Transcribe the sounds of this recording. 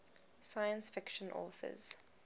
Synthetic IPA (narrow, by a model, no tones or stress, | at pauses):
sajə̃nsfɪkʃə̃nʔɔ̰ːθə̰z̥